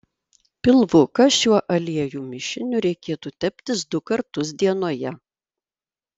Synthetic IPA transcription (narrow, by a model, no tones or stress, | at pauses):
pʲɪlˠʋʊkɐʃʲuɔʔɐlʲiɛjuːmʲɪʃʲɪnʲʊɾʲɛɪkʲeːt̪uːt̪ʲɛpʲt̪ʲɪsd̪ʊkɐɾt̪ʊsd̪ʲiɛnoːjɛ